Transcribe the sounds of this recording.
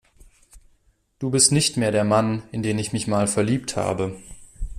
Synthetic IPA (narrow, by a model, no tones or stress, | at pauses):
d̥uːbɪstnɪçtmeːɐɾeːɐmanɪndeːmɪçmɪçmaːlfɛɐliːptha̰ːbə